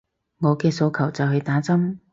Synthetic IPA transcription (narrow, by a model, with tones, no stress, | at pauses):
ŋɔː˨˧kɛː˧so˧wkʰɐ˨˩wt͡sɐ˨wɦɵ˧ɥt̪aː˨˥t͡sɐ˥m